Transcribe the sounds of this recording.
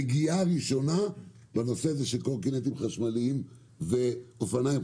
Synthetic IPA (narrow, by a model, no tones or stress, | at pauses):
ɡiaʁiʃo̞na | bano̞seazeʃelkolkinet̪imχaʃmaliim | veofanaim